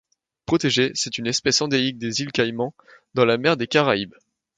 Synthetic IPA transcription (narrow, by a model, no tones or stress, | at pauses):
pχɔt̪eʒesɛt̪ynɛspɛsɑ̃d̪eik̚d̪ezilkajmɑ̃ | d̪ɑ̃lamɛʁd̪ekaʁaib